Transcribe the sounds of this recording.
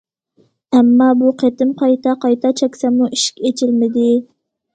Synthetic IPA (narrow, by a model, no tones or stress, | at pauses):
ɛmːɑːbuqʰet̪ɪmqʰɑjt̪ɑqɑjt̪ɑt͡ʃʰɛkʲsɑmuʔiʃkʲet͡ʃʰɪlmɪd̪ɪ